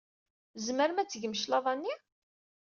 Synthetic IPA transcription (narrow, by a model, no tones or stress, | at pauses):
zməɾmæt͡sːəʝəmʃlɑðˤɑnːi